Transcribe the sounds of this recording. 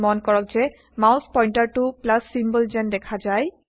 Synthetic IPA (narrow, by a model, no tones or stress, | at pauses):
mɔnkɔɹɔk̚zɛ | mawspɔjntaɹtʊplasːimbɔlzɛndɛkʰazaj